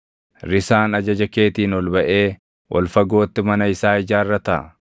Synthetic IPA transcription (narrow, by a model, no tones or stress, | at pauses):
ɾɪsaːnɐd͡ʒɐd͡ʒɐke̞ːt̪iːnɔlbɐʔe̞ː | wʔɔ̰lfɐɡo̞ːt̪ːɪmɐnɐɪsaːɪd͡ʒaːɪrːɐt̪ɐʔ